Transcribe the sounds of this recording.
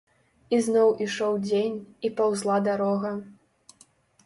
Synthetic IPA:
iznɔwʔiʂɔwd͡zʲenʲipawzlˠad̪aɾɔɣɐ

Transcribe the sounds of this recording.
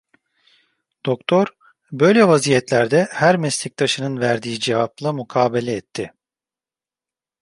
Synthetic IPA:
d̪̥o̞kt̪ʰo̞ɾ | bø̞jlʲɛvazijɛt̪lʲæɾd̪ɛhæɾmɛslʲic̚t̪ʰaʃɯnɯnvæɾd̪ijid͡ʒevaplˠamukʰaːbelʲɛːt̪ʰːɪ

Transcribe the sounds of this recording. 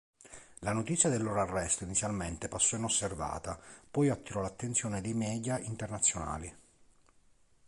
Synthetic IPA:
lanot̪it̪sjad̪elːoːɾoarːɛst̪oinit̪sːjalment̪epasːɔinosːerva̰ːt̪apɔjat̪ːiɾɔlat̪ːent̪sjɔːned̪ejmɛːd̪jaint̪ernat̪sːjona̰ːli

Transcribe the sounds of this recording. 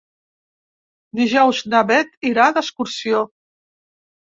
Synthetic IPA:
d̪iʒɔwznaβɛt̪iɾad̪əskuɾsio

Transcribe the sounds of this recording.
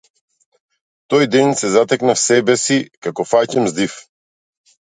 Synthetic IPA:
t̪ɔjd̪ɛnsɛzat̪ɛknafsɛbɛsikakɔfacɛmzd̪if

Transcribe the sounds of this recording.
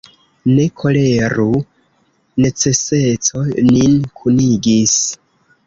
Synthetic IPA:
ne̞kʰo̞le̞ɾu | ne̞t͡se̞se̞t͡so̞ninkʰuniɡis

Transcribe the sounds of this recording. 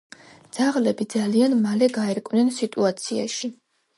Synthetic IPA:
d̪z̥aʁlɛbid̪zalianmalɛɡaɛɾkʼvnɛnsit̪ʼuat̪sʰia̰ʃi

